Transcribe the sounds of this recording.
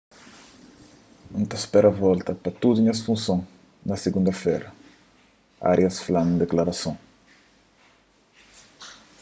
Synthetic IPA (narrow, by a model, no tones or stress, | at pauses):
ũnt̪ɐspɛɾɐvɔlt̪ɐpɐt̪ud̪uɲɐsfũsõŋ | nɐseɡũnd̪ɐfɛɾɐ | a̰ɾjɐsflãnd̪eklaɾɐsõŋ